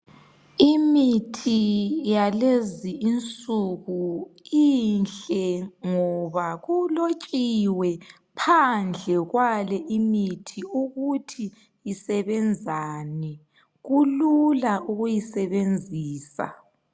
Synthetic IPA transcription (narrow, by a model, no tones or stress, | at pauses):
imitʰijaleziint͡sʼuɣuinɬɛŋɔβaɣulot͡ʃʼiwɛ | pʰand͡ɮʱɛɣwalɛʔimitʰiuɣutʰi | jisɛβɛnd͡zʱaːnɛ | ɣululaʔuɣujisɛβend͡zʱiːsa̰